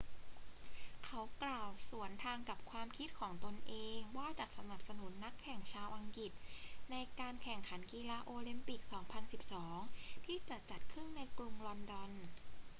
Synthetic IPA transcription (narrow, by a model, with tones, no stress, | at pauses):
kʰa˦˥wklaː˨˩wsu˩˦ənt̪ʰaː˧ŋka˨˩p̚kʰwaː˧mkʰi˦˥t̪̚kʰɔː˩˦ŋt̪o˧nʔeː˧ŋwaː˥˩t͡ɕaː˨˩k̚sa˧na˨˩p̚sa˧nu˩˦nːa˦˥kʰːɛ˨˩ŋt͡ɕʰaː˧wʔa˧ŋki˨˩t̪̚na˧jkaː˧nkʰɛ˨˩ŋkʰa˩˦nkiː˧laː˧ʔoː˧li˧mpi˨˩k̚sɔː˩˦ŋpʰa˧nsi˨˩p̚sɔː˩˦ŋt̪ʰiː˥˩t͡ɕa˨˩t͡ɕa˨˩t̪̚kʰɾɯ˥˩ŋna˧jkɾu˧mlɔ˧ndɔ˧n